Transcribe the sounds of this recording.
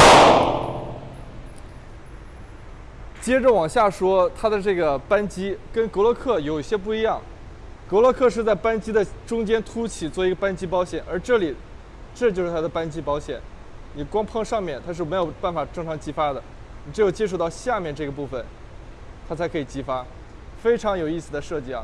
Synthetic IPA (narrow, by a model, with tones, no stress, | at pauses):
t͡ɕjɛ˥ʈ͡ʂə˨wɑ˨˩ŋɕja˥˩ʂwɔ˥t̪ʰa˥d̪ə˨ʈ͡ʂɤ˥˩ɡə˩pa˥nt͡ɕi˥kə˥nkɤ˧˥lwɔ˧˥kʰɤ˥˩jo˨˩ʊi˥˩ɕjɛ˥p̬u˥˩i˧˥jɑ˥˩ŋ | kɤ˧˥lwɔ˧˥kʰɤ˥˧ʂɻ̩˥˧t͡sa˥˩ɪpa˥nt͡ɕi˥d̪ə˨ʈ͡ʂʊ˥ŋt͡ɕjɛ˥nt̪ʰu˥t͡ɕʰi˨˩t͡swɔ˥˩i˧˥ɡə˧pa˥nt͡ɕi˥pɑ˧˥ʊɕjɛ˨˩nʔə˞˧˥ʈ͡ʂɤ˥˩li˨˩ | ʈ͡ʂɤ˥˩t͡ɕjo˥˧ʊʂɻ̩˥˩t̪ʰa˥ə˧pa˥nt͡ɕi˥pɑ˧˥ʊɕjɛ̰˨˩˦n | ni˨˩kwɑ˥ŋpʰɑ˥˧ŋʂɑ˥˧ŋmjɛ˥˩nt̪ʰa˥ʂ̬ɻ̩˥˩me˧˥ɪjo˨˩ʊpa˥˩nfa˨˩ʈ͡ʂɤ˥˩ŋʈ͡ʂʰɑ˧˥ŋt͡ɕi˥fa˥d̪ə˨ | ni˨˩ʈ͡ʂɻ̩˧˥jo˨˩ʊt͡ɕjɛ˥ʂ̬u˥˧t̪ɑ˥˧ʊɕja˥˧mjɛ˥˧nʈ͡ʂɤ˥˩ɡə˩pu˥˩fə˩n | t̪ʰa˥t͡sʰa˧˥ɪkʰɤ˧˥i˨˩t͡ɕi˥fa˥ | fe˥ɪʈ͡ʂʰɑ˧˥ŋjo˨ʊi˥˩sɹ̩˩d̪ə˦ʂɤ˥˧t͡ɕi˥˩ɐ̰˨˦